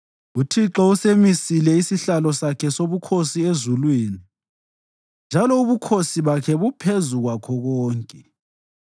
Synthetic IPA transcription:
utʰiǁɔusemisilɛisiɬalɔsakʰɛsoβukʰosiezulwiːni | nd͡ʒʱalɔuβukʰosiβakʰɛβupʰezuɣwakʰɔɣɔːŋkʼɛ

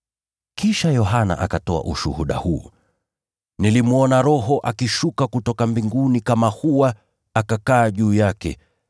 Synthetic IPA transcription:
kiʃajɔɦana̰ʔakatɔa̰ʔṵʃṵhuɗa̰huː | nilimuɔnaɾɔɦɔʔakiʃukakutɔkambiŋɡunikamahuwaː | kakaːʄuːjakɛ̰

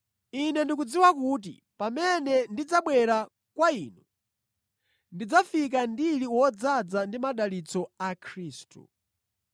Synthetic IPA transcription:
inɛndikud͡ziwakuːt̬ḭ | pamɛnɛndid͡zaɓwɛɾa | kwaiːnu | ndid͡zafik̬andiliwɔd͡zad͡zandimaɗalit͡sɔakʰɾiːstṵ

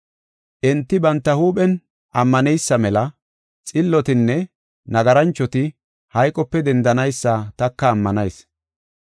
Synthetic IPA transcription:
ʔɪnt̪ːɪbɐnt̪ːɐhuːpʼɛn | ʔɐmːɐnɛjsːɐmɛlɐ | t͡sʼɪlːɔt̪ɪnːɛ | nɐɡɐɾɐnt͡ʃːɔt̪ɪ | hɐjkʼɔpːɛd̪ɛnd̪ɐnɐjsːɐt̪ɐkːɐːmːɐnɐjs

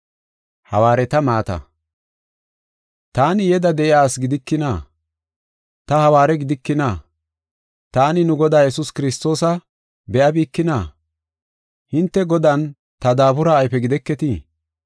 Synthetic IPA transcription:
hɐ̰waːɾɛt̪ɐmaːt̪ɐ̰ | t̪aːnɪjɛd̪ɐd̪ɛʔɪjaːsɡɪd̪ɪkːɪnaː | t̪ɐhɐwaːɾɛɡɪd̪ɪkːɪnaː | t̪aːnɪnʊɡɔd̪aːjɛsʊskɪɾɪst̪o̞ːsɐ | bɛʔɐbiːkːɪnaː | hɪnt̪ːɛɡɔd̪ɐn | t̪ɐd̪aːbʊɾaːjpɛɡɪd̪ɛkːɛt̪i

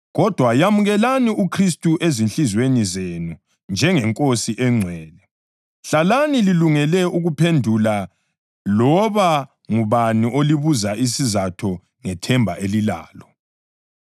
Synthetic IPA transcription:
ɣɔd̥ʱwajamuɣɛlaniukʰris̬tʼuʔezinɬizwenizenu | nd͡ʒʱɛŋɛŋkʼosiʔɛŋ͡ǀʱwɛːlɛ | ɬalanililuŋɛlɛuɣupʰendʱula | lɔβa | ŋuβaniʔoliβuzaʔisizatʰɔ | ŋɛtʰɛmbʱaʔelila̰ːlɔ

